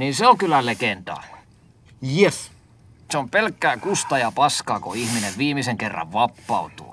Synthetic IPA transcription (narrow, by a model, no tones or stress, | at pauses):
niːnseoŋkylːælekent̪ɑ̰ | jes | seompelkːæːkust̪ɑjɑpɑskɑːkoihmineʋʋiːmiseŋkerːɑ̰ʋʋɑpːɑˑut̪ṵ